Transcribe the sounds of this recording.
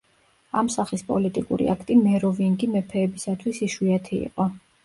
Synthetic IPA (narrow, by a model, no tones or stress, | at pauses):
amsaχispʼɔ̰lit̪ʼikʼṵɾḭakʰt̪ʼimɛɾɔviŋɡimɛpʰɛːbisat̪ʰwisiʃwiat̪ʰiḭqʼɔ